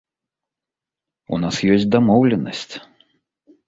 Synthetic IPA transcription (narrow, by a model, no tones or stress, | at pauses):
ṵnasjɔsʲtʲd̪amɔwlʲɛnɐsʲt͡sʲ